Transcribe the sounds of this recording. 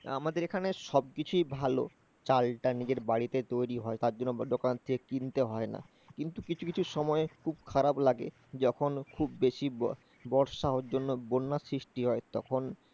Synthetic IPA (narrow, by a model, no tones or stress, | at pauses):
a̰mad̪eɾekʰaneʃɔb̚kit͡ɕʰujbʱalo̰ | t͡ɕalʈanid͡ʑeɾbaɽit̪et̪ojɾiɦɔet̪aɾd͡ʑonːod̪okant̪ʰekekint̪eɦɔena̰ | kint̪ukit͡ɕʰukit͡ɕʰuʃɔmɔekʰubkʰaɾablaɡe | d͡ʑɔkʰonkʰubːeʃi | bɔɾʃaɦoɾd͡ʑonːobonːasɾiʃʈiɦɔet̪ɔ̰kʰon